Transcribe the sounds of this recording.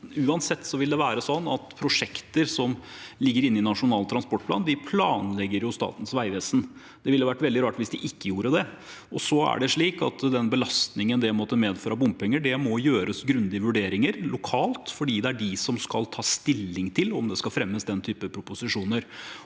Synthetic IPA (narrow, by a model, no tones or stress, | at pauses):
ʉːɑnsɛt̪ːsɔʋɪld̪ɛʋæːɾəsɔnːɑt̪pʰɾʊʂɛkt̪əɾsɔmlɪɡːəɾɪnːɪnɑʂʊnɑːlt̪ʰɾɑnspɔʈplɑ̰ːnd̪ɪpʰlɑːnlɛɡːəɾjʊst̪ɑ̰ːt̪ən̩sʋæɪʋɛːsn̩ | d̪̥ɛʋɪlːəʋæʈːʋɛld̪ɪɾɑːʈʋɪsd̪ɪʔɪkːəjuːɾəd̪ɛ | ɔsɔæ̰ɖɛʂɭiːkɑ̰t̪d̪ɛnbəlɑst̪nɪŋənd̪ɛmɔt̪əmeːd̪føːɾɑbʊmpʰɛŋːəɖɛmɔjøːɾʔəsɡɾʉnd̪ɪəʋʉɖeːɾɪŋəɾlʊkʰɑːlt̪fɔɖiːd̪ɛæɖɪsɔmskɑlt̪ʰɑːst̪ɪlːɪŋt̪ʰɪlɔmd̪ɛskɑfɾɛmːəsd̪ɛnt̪ʰyːpəpʰɾʊpʊsɪʂuːnəɾ